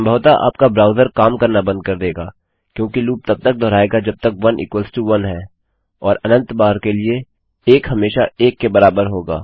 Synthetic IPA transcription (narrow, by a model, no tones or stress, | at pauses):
sɐmbʱəʋt̪aʔa̰ːpkabɾaːʊzəɾkaːmkɐɾnabɐ̃nd̪̚kɐɾd̪eːɡaː | kjõːkiluːp̚t̪ɐb̚t̪ɐk̚d̪ɔːɾaːeːɡad͡ʒɐb̚t̪əkʋɐnʔɪ̰ːkwəlsʈuʋɐnɦɛː | ɔːɾɐnə̃nt̪baːɾkelie | eːkɦɐmeːʃaeːkːebɐɾaːbəɾɦoːɡa̰ː